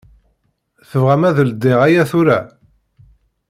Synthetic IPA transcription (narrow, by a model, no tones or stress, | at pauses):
θəvʁæmæðəld̪ːeʁæjæθʊɾæ